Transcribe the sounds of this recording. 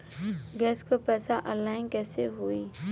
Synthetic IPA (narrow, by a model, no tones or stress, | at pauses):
ɡɛːskopɛːsaʔəlaːɪnkɛːseɦui